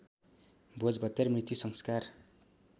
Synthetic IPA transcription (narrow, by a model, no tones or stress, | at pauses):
bʱod͡zbʱʌt̪ːermrit̪jusʌŋskar